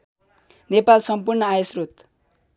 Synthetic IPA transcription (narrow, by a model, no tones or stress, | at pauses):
nepalsʌmpurnʌajosrut̪